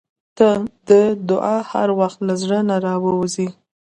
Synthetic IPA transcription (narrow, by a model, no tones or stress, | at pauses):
t̪əd̪əd̪ʊʔɑha̰ɾwaxt̪lazɽənaɾɑwəwzi